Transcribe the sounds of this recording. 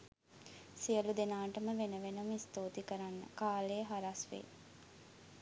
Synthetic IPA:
sijəlud̪enaːʈəməʋenəʋenumist̪oːt̪ikəɾanːə̰kaːlejəɦaɾasʋḛ

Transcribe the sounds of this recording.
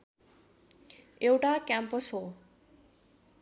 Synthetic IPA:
ewʈakjampʌsɦo

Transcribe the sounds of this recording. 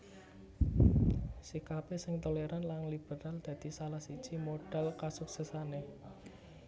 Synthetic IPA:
sikapesɪŋt̪oleɾanlaŋlib̥əɾald̪̥ä̤d̪̥i̤salahsid̥ʒ̥imoɖ̥a̤lkasʊk̚səsane

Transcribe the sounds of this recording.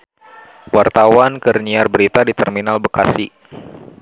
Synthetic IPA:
wart̪awankərniarbəɾit̪adit̪ɛrminalbəkasi

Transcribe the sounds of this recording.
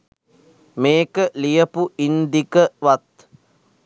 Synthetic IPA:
meːkəlijəpuind̪ikəʋat̪

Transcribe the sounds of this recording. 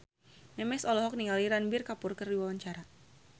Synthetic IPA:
mɛmɛsɔlɔɦɔk̚niŋaliɾanbɪrkapurkərdiwawaɲt͡ʃaɾa

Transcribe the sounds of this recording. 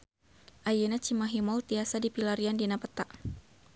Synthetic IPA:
ʔajenat͡ʃimaɦimɔlt̪iasadipilaɾiandinapət̪aʔ

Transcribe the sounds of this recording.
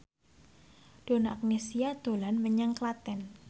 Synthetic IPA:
d̥o̤naʔak̚nesiad̪̥o̤lanməɲaŋklat̪ɛn

